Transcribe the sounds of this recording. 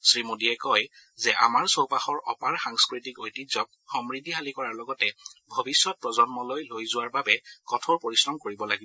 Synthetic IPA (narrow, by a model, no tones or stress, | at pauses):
sɹimodiɛkɔjzɛʔa̰maɹsowpaxɔɹɔ̰paɹxaŋskɹitikojtizɔk̚xɔmɹidʱixalikɔɹaɹlɔɡɔtɛbʱobisːɔt̚pɹɔzɔnmɔlojlojzʊwaɹbabɛkɔtʰɔɹpoɹisɹɔmkoɹibɔlaɡibɔ